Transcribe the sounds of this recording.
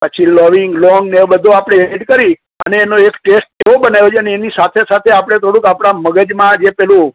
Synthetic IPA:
pət͡ʃʰiləʋiŋɡlɔŋɡnebəd̪ʱũapɽ̃eeiʈkəɾi | ə̰neːnoekʈesʈ̚teobənajʋot͡ʃʰeəneːnisat̪ʰesat̪ʰeapɽ̃et̪ʰoɽ̃ũkapɽ̃aməɡəd͡ʒmãd͡ʒepɛɦlũ

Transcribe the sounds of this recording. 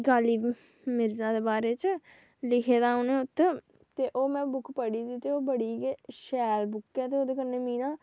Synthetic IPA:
ɡaːliː | mɪɾzãːd̪eːbaːɾeːt͡ʃ | lɪkʰeːd̪aːoːnẽːʊt̪ː | t̪eːʔoːmɛ̃ːbʊkʰpəɽiːd̪iːt̪eːoːbəɽiːɡeʃɛːlbʊkːɛːt̪eːoːd̪eːkəɾneːmĩːnaː

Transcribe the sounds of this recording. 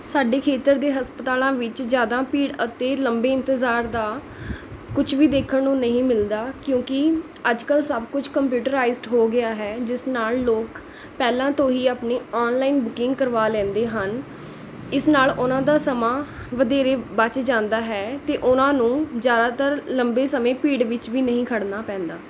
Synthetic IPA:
saːɖeːkʰeːt̪əɾd̪eːɦəspət̪aːlãːʋɪt͡ʃd͡ʒjaːd̪ãːpiːɽət̪eːləmbeːɪ̃nt̪ɪzaːɾd̪aː | kʊt͡ʃʰʋiːd̪eːkʰəɳːũːnəɦĩːmɪld̪aːkjõːkɪ | əd͡ʒkəlsəbkʊt͡ʃʰkəmpjuːʈəɾaːizʈɦoːɡɪaːɦɛːd͡ʒɪsnaːlloːk | pɛːlãːt̪õːɦiːaːpneːɔːnlaːiːnbʊkɪ̃ŋɡkəɾʋaːlɛ̃ːnd̪eːɦən | ɪsnaːlʊnãːd̪aːsəmãː | ʋəd̪eːɾeːbət͡ʃd͡ʒãːnd̪aːɦɛːt̪eːʔʊnãːnũːzjaːd̪aːt̪əɾləmbeːsəmẽːpiːɖʋɪt͡ʃʋiːnəɦĩːkʰəɽnaːpɛ̃ːnd̪aː

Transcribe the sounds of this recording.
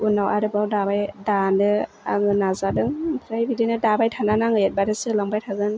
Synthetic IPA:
unawaɾɯbawdabajdanɯ | a̰ŋɯnazadɯŋpʰɾajbidinɯdabajtʰananaŋɯjet̚baɾɯsɯlaŋbajtʰaɡɯn

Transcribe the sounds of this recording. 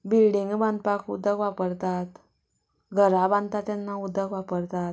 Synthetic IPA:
bilɖiŋɡbãnd̪̚pakud̪ːəɡʋapəɾt̪at̪ | ɡʱəɾabãnd̪t̪at̪janːaud̪ːəɡʋapəɾt̪at̪

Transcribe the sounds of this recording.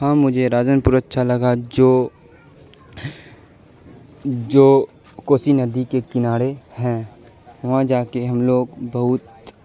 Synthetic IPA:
ɦãːmʊd͡ʒʱeɾaːd͡ʒənpʊɾətːʃʰalɐɡad͡ʒoː | d͡ʒoː | koːsinɐd̪ʱikekɪnaːɽehɛ̃ː | ʋɐɦãd͡ʒaːkeɦɐmloːɡbɐɦʊt̪

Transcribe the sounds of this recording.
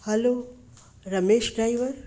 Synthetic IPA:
hɐlo | ɾɐmeːʃɖɾaːiʋəɾ

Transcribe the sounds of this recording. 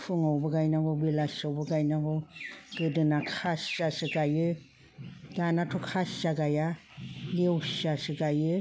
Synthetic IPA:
pʰɯŋawbɯɡajnaɡɔbilasawbɯɡajnaɡɔɡ̥ɯdɯnakʰasasɯɡajɯ | danatʰɔkʰasaɡaja | lewsasɯɡajɯ

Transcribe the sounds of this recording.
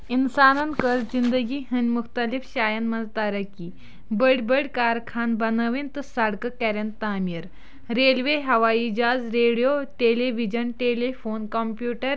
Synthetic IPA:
insaːnɐnkəɾd͡zind̪əɡiːɦɐnmuxt̪əlifɕaːjɐnmɐnd͡zt̪aɾɐkiː | bəɽbəɽkaːɾkʰaːnbɐnəʋent̪əsɐɽkəkɛɾɐnt̪aːmiɾ | ɾeːlʋeɦɐʋaid͡ʑaːd͡zɾeɽijoʈeleʋid͡ʑənʈelefonkɐmpjuːʈəɾ

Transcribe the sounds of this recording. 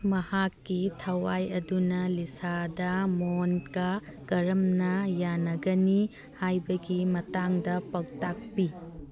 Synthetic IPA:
mɐhakːitʰɐwajɐdunɐlisadɐmonkɐkɐɾɐmnɐjanɐɡɐni | hajbɐɡimɐtaŋdɐpɐwtak̚pi

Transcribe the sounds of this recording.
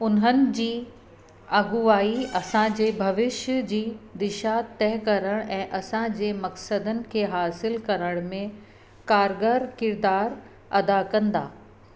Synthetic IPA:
ʊnɦənɪ̆d͡ʑiː | aːɡuaːiɐsãd͡ʑeːbʱɐʋɪʃd͡ʑiːd̪ɪʃat̪ɛːɦkɐɾəɽ̃ʔɛ̃ːʔɐsãd͡ʑeːmɐksəd̪ənɪ̆kʰeːɦaːsɪlkɐɾəɽ̃mẽ | kaːɾɡəɾkɪɾd̪aːɾ | ɐd̪akɐ̃nd̪a̰ː

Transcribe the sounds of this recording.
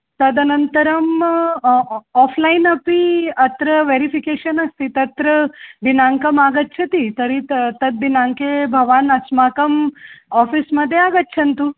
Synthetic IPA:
t̪ɐd̪ɐnɐnt̪əɾɐm | ɔflainɐpiɐt̪ɾəʋeɾifikeɕɐnɐst̪it̪ɐt̪ɾəd̪inaŋkɐmaɡət̪ːt͡ʃʰɐt̪it̪ɐɾit̪ɐd̪̚ʋinaŋkebʱɐʋaːnɐsmakɐmɔfisməd̪ʱːjeaɡɐt̪̚ːt͡ɕʰɐnt̪u

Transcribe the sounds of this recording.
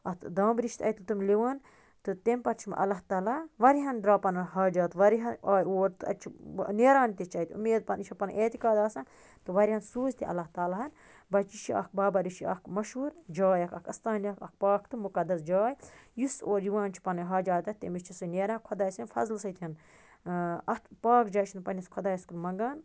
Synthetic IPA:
ɐt̪d̪aːmbɾiʃt̪ʰɐ̰t̪ɨt̪ɨmliʋaːn | t̪ɨt̪empɐɾt͡ʃʰim̰ʔɐ̰lɐɦt̪aːlaːʋɐɾiɦɐnd̪ɾaːpɐnɐɦaːd͡ʒaːt̪ʋɐɾiɦɐnaːjoːɾt̪ɨɐ̰t͡ʃʰḭneːɾaːnt̪et͡ʃʰɐit̪ṵmeːd̪̚pɐniʃʰɐpɐnʔeːt̪ikaːd̪aːsɐn | t̪ɨʋɐɾihɐnsuːzt̪iʔɐ̰lɐɦt̪aːlaɦɐn | bɐt͡ʃiʃiɐ̰k̚baːbɐɾiʃiɐ̰kmɐʃuːɾd͡ʒaːjɐkɐkʰɐst̪aːnɐkɐ̰k̚paːkt̪ɨmukɐd̪ɐsd͡ʒaːjjusoːɾjiʋãːnt͡ʃʰi̥pɐnɐɦaːd͡ʒaːt̪ɐt̪ḛmist͡ʃʰisɨneːɾãːkʰɐd̪aːsɐnfɐ̰zlsɐt̪ʰʲɐn | ɐt̪paːkd͡ʒaːʃʰinpɐnʲɐskʰɐd̪aːjɐskuɾmɐŋɡaːn

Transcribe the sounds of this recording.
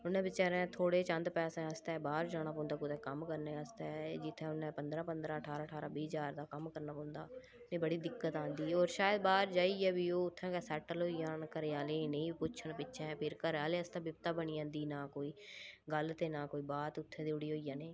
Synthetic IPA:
ʊnẽːbɪt͡ʃaːɾẽːt̪ʰoːɽeːt͡ʃə̃nd̪pɛːsẽːəst̪ɛːbaːɾd͡ʒaːɽ̃aːpɔ̃ːnd̪aːkʊt̪ʰɛ̃ːkəmkəɾnẽːəst̪ɛːd͡ʒɪt̪ʰːɛ̃ːʊnːɛ̃ːpənd̪ɾãːpənd̪ɾãːəʈʰaːɾaːəʈʰaːɾaːbiːd͡ʒaːɾd̪aːkəmkəɾnaːpɔ̃ːnd̪aː | nẽːbəɽiːd̪ɪkːət̪ãːnd̪iːoːɾʃaːjəd̪baːɾd͡ʒaːiːɛːbiːoːʊt̪ʰːɛ̃ːkɛːsɛːʈəlɦoːijãːkəɾeaːleːnə̃ĩːpʊt͡ʃʰənpɪtːʃʰɛ̃pʰɪɾkəɾaːleːəst̪ãːbɪp̚t̪aːbəniːãːnd̪iːnaːkoːiːɡəlt̪ẽːnãːkoːiːbaːt̪ʊt̪ʰːẽːd̪iːʊɽiːɦoːijãːnẽː

